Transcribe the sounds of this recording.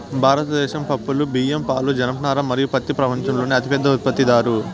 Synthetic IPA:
bʱaːɾɐt̪ɐd̪ɛːʃɐmpɐpːulubiːjempaːlud͡ʒɐnɐpɐnaːɾɐmːɐɾijupɐt̪ːipɾɐpɐɲt͡ʃɐmloːniɐt̪ipɛd̪ːɐut̪̚pɐt̪ːid̪aːɾu

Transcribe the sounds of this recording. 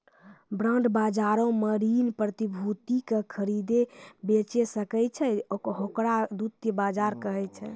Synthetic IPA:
bɾãɳɖbad͡ʒaɾõməɾinpɾət̪ibʱut̪ikekʰəɾid̪ebet͡ʃesəkɛt͡ʃʰɛokɦokɾad̪ut̪jəbad͡ʒaɾkəɦɛt͡ʃʰɛ

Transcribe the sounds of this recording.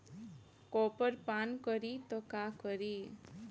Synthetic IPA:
kɔpəɾpankəɾit̪ɔkakəɾi

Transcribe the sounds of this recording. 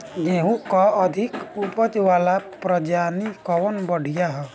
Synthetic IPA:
ɡeɦũkɔəd̪ʱikupəd͡ʒʋalapɾəd͡ʒanikɔwənbəɽ̤ijaɦɛ

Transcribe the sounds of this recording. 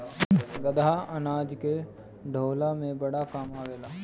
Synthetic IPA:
ɡəd̪ʱaɐnaːd͡ʒke | ɖʱoːlamẽbɐɽakaːmaːʋeːlaː

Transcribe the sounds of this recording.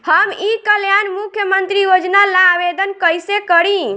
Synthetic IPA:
həmikəljanmukʰjəmənt̪ɾijod͡ʒnalabed̪ənkəjsekəɾi

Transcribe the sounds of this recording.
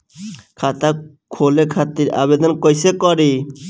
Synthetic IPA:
kʰat̪a | kʰolekʰat̪ːiɾa̰βed̪ɔnkojsekɔɾi

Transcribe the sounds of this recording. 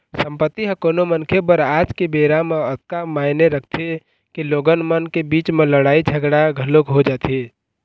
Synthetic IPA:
sə̃mpət̪ːiɦə̃konomənkʰebəɾaːd͡ʒkebeːɾameət̪̚kamaːɪneɾək̚ʰt̪ʰe | kiloːɡənmənkebiːt͡ʃmẽləɽaːid͡ʒʱəɡɽaɡʱəlokɦod͡ʒaːt̪i

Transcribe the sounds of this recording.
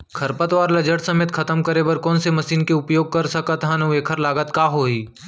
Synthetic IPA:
kʰɐɾpət̪ʋaːɾlɐd͡ʒəɽsɐmeːt̪kʰɐt̪əmkəɾebɐɾkɔ̃ːnsemɐʃiːnkeʊpjoːɡ̚kɐɾsɐkət̪ɦãnɐueːkʰəɾlaːɡət̪kaːɦoːɦiː

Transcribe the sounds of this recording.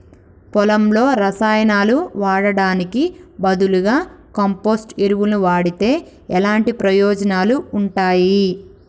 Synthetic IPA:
pɔlɐmlo̞ːɾɐsaːjɐnaːluʋaːɽɐɽaːnikibɐd̪uluɡaː | kɐmpoːsʈeɾuʋulnuʋaːɽit̪e̞ː | ɛlaːɳʈipɾɐjɔːd͡ʒɐnaːluːɳʈaːji

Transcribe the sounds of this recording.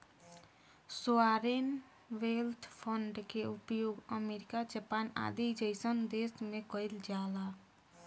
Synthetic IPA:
suaɾen | ʋelt̪ʰpʰəɳɖkeupjoɡəmeɾikad͡ʒəpana̰d̪id͡ʒəɪsənd̪esmekəjld͡ʒala

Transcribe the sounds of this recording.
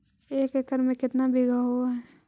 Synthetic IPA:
eːkekəɾmẽkɪt̪nabʱɪɡʱaɦuaɦɛ

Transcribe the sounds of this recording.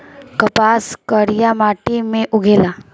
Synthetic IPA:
kɐpaːskəɾijamaːʈimẽʔʊɡʱeːla

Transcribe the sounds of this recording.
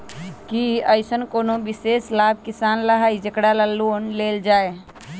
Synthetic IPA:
kiəɪsənkoːnobɪseːslaːb̚ʱkɪsaːnləɦaid͡ʒəkɽaləloːnleːld͡ʒaːe

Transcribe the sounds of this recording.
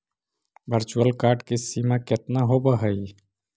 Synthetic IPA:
bəɾt͡ʃuwəlkaːɾʈkesimaket̪naɦobəɦəi

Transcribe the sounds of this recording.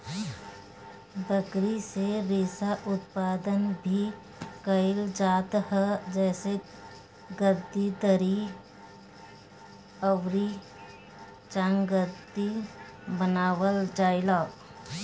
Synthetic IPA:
bəkɾiseɾɪːsaʔʊt̪̚paːd̪ənbʱi | kəɪld͡ʒaːt̪hd͡ʒɛːse | ɡəd̪it̪əɾi | əʋɾi | t͡ʃãŋɡəd̪i | bənaːwəld͡ʒaːɪlaː

